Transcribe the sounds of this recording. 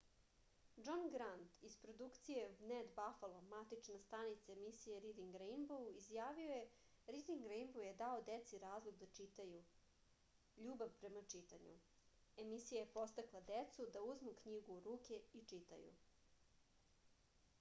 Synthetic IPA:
d͡ʒonɡɾant̪ispɾo̞d̪ukt̪sijevned̪bafalˠomat̪it͡ʃnast̪anit̪saemisijeɾid̪iŋɡɾejnbouizjaːʋioje̞ | ɾid̪iŋɡɾejnbowjed̪aod̪et̪siɾaːzlˠoɡd̪at͡ʃit̪aju | ʎuːbaʋpɾe̞mat͡ʂit̪aɲṵ | e̞misijajepo̞st̪aklˠad̪et̪sud̪auzmukɲiɡuɾuːke̞it͡ʂit̪a̰jṵ

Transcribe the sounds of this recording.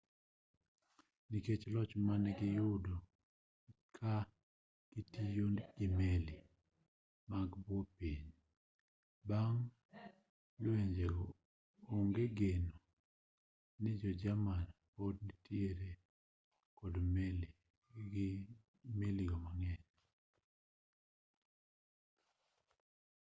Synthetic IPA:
niket͡ʃlɔt͡ʃmanɛɡɪjʊdo | kʰa | ɡ̥itijonɡ̥ɪmeli | maɡbwɔpiɲ | baŋ | lweɲd͡ʒeɡo | oŋɡeɡeno | nɪd͡ʒɔd͡ʒamanpɔdnɪtjeɾe | kɔdmel | meliɡɔmaŋɛɲ

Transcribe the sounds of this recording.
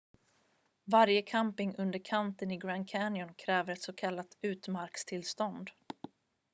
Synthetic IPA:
vaɾjəkʰampɪŋɵnd̪əɾkʰant̪ənɪɡɾankʰænjɔnkʰɾɛːvəɾɛt̪sɔkʰalːat̪ʉ̟ːt̪maɾkst̪ʰɪlst̪ɔnd̪

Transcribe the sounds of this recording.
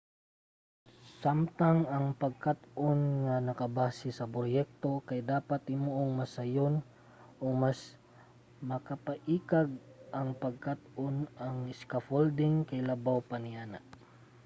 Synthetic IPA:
samt̪aŋɐŋpɐɡ̚kat̪ʔonŋanɐkɐbaːsɪsɐpɾojɛk̚t̪o̞kajd̪aːpat̪ɪmoʔoŋmɐsajon | ʔomas | mɐkapaʔiːkaɡ̚ʔɐŋpɐɡ̚kat̪ʔonaŋɪskafold̪ɪŋkajlɐbawpanɪaːnaʔ

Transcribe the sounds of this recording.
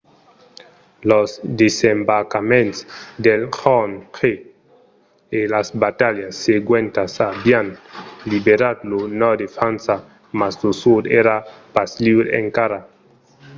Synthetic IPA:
losd̪esembaɾkamẽnt̪sd̪elxɔnxe | elasbat̪aljasːeɡwent̪asabianlibeɾad̪lonɔd̪efɾansa | masdusud̪eɾapasliβɾḛŋkaɾa

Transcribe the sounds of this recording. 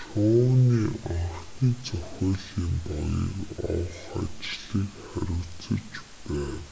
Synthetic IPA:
ʃʊːniːɔχt̪iːt͡sœxʲɔːɮiːmpɔjə̰kɔ̰wsa̰t͡ɕɮikχæɾʲʊt͡sə̆t͡ɕ | pæːw

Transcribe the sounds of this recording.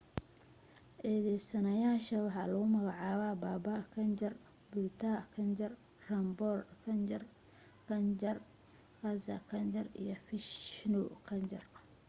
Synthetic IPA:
ʔɛːðɛjsɐnɐjaːʃɐwɑħɑlɐɣʊmɐɣɑʕɑːβaːbaːbakʰɐnt͡ʃɐr | bʊlt̪ʰaːkʰɐnt͡ʃɐr | rɐmbɔːrkʰɐnd͡ʒɐr | kʰɐnd͡ʒɐr | qɑsɐ̰kʰɐnt͡ʃɐrḭjɞfɪʃnukʰɐnt͡ʃɐ̰r

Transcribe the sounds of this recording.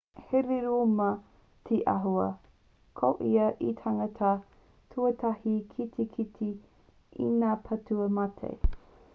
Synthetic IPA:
heɾeɾumɐ | t̪ʰeʔɐ̰ɦuɐ̰ | kʰo̰ʔiɐʔitʰaŋɐtʰɐ | tʰuɐt̪ʰɐhikʰit̪ʰikʰitʰi | ḭnaːpʰɐtuɐmɐtʰḛj

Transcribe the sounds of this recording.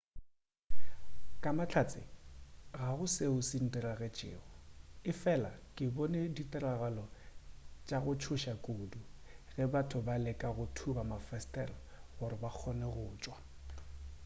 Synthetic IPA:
kʼamat͡ɬʰat͡sʼɪɣaɣʊseʊsin̩diɾaɣɛt͡ʃʼɪ̰ːɣɔɪfɛlakʼɪbɔneditʼaraɣalɔ | t͡ʃʼaɣʊt͡ʃʰʊʃakʼuːduɣɛbatʰʊbalɪkʼaɣʊtʰubamafɛstʼɛrɔ | ɣʊɾɪbak͡xʰɔnɛɣʊːt͡ʃʼwa

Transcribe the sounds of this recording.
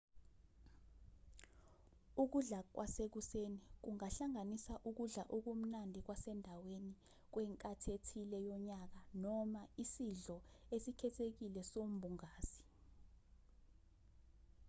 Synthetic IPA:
uk̬uɮak̬wʔasek̬usenik̬uŋaɬaŋanisaʔuk̬uɮaʔuk̬um̩nandʱik̬wasɛndʱaweni | k̬wɛŋkʼatʰetʰilɛjɔɲak̬anɔmaisiɮɔesikʰɛtʰek̬ilɛsom̩bʱuŋaːsi̥

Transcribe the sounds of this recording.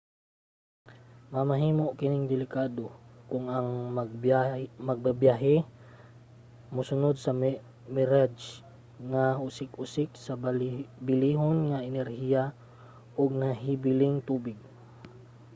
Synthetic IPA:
mamaɦiːmoʔkɪnɪŋd̪ɪlɪkaːd̪okʊŋaŋ | maɡ̚babjaɦɛ | mʊsʊnod̪̚sɐm | mɛɾad͡ʒ | ŋahʊsɪkʊsɪksabɪliːɦonŋaɪnɛɾhija | ʔʊɡ̚naɦibɪlɪŋt̪uːbɪɡ̚

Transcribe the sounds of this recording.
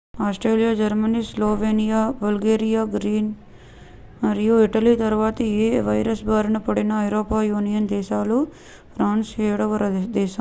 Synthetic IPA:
aːsʈɾeːlijaːd͡ʒɐɾmɐniːsloːʋeːnijaːbɐlɡeːɾijaːɡɾiːn | mɐɾjuiʈɐlit̪ɐɾʋaːt̪ɐeːʋɐjɾɐsbʱaːɾɐnɐpɐɽinɐːjɾoːpaːjuːnijɐnd̪ɛːʃaːlu | pʰɾaːnseːjɽɐʋɐɾɐd̪ɛːʃɐ

